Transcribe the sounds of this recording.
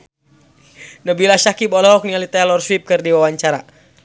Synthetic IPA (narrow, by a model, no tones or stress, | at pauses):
nəbilaʃakibɔlɔɦɔk̚nialit̪alɔrswip̚kɨrdiwawaɲt͡ʃaɾa